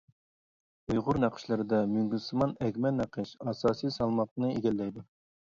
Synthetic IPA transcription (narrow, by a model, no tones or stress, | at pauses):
ujʁʊɾnæqʰə̥ʃlˠɨɾɨd̪ɑmyŋɡʲysɨmɑnɛkʲmɛlnæqʰəʃɑsɑːsijsɑlˠmɑq̚nɨeɡʲɛlːɛjd̪u